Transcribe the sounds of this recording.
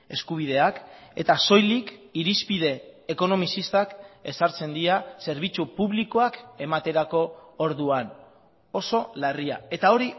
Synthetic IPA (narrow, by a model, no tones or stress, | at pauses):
e̞skuβ̞ið̞e̞ake̞̰t̪aso̞jlikiɾispiðe̞ːko̞no̞misist̪ake̞saɾt͡se̞nd̪iase̞ɾβ̞it͡supuβ̞likoake̞mat̪e̞ɾako̞ːɾðuan | o̞so̞lariae̞t̪ao̞ɾi